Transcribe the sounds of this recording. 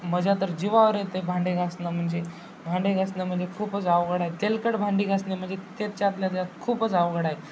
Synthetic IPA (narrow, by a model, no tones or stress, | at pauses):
məd͡ʑat̪əɾd͡ʑiʋaʋəɾjet̪ebʱãɳɖeɡʱasnəm̤əɳd͡ze | bʱaɳɖeɡʱasnəm̤əɳd͡zekʰuːpət͡saʋɡəɽaɦet̪elkəɽbʱãɳɖiːɡʱasnem̤əɳd͡zet̪et̪t͡ɕat̪ljat̪jat̪kʰuːpət͡saʋɡəɽaɦe